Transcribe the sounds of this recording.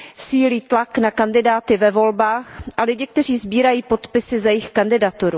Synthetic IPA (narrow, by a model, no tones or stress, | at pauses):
siːliːt̪laknakandɪdaːt̪ɪvɛvo̞lbaːxʔalɪɟɪk̚t̪ɛr̝iːzbiːɾajiːpo̞t̪pɪsɪzajɪxkandɪdat̪uɾu